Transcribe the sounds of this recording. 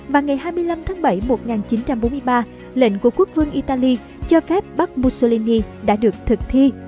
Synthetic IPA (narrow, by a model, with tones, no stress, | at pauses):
vaː˨˩wŋa˨˩jɦaː˧jmɨ˧əjla˧mt̪ʰaː˨˦ŋɓə˧˩jmo˨˩t̚ŋaː˨˩nt͡ɕi˨˦nt͡ɕa˧mɓo˨˦mɨ˧jɓaː˧ | lḛ˧˨nku˧˩əku˦˥ək̚vɨ˧əŋʔi˧t̪aː˧li˧ | t͡ɕɔ˧fɛ˦˥p̚ɓa˦˥k̚mu˧so˧li˧ni˧ɗa̰ː˧˥ɗɨ˨˩ək̚t̪ʰɨ˨˩k̚t̪ʰi˧